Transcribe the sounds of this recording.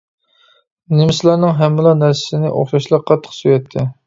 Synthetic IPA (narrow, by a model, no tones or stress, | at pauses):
nɪmɪslˠɑɾnɨŋɦɛmːɪlˠɑnæɾsɪ̥sɪnɪʔo̰χʃɑʃlˠɑqʰːɑt̪ʰːə̥qsyjɛt̪ʰːɪ